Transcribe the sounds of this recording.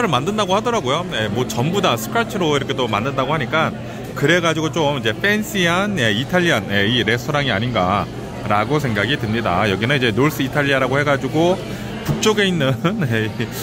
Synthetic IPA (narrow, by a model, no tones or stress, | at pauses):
ɾɯɭmandɯndaɡohadʌɾaɡojoje̞mwʌt͡ɕʌmbudasʰɯ̥kʰaɭtʰɯɾoiɾʌkʰe̞tomanːɯndaɡohaɲik͈an | kɯɾe̞ɡad͡ʑiɡot͡ɕ͈omid͡ʑe̞pʰens͈ʰianje̞itʰaʎːijʌnje̞iɾe̞stʰʌɾaŋia̰ɲinɡa̰ | ɾaɡosʰe̞ŋɡaɡitɯmɲida̰jʌɡinɯnid͡ʑe̞noɭs͈ɯitʰaʎːiaɾaɡohe̞ɡad͡ʑiɡo | puk̚t͡ɕ͈oɡe̞inːɯnjei